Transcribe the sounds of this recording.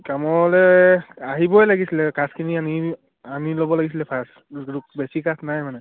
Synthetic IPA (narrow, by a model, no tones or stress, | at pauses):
kamɔlɛaɦibɔjlaɡisilɛkaskʰiniani | amilobɔlaɡis̬ilɛpʰas | ubesikasnajmanɛ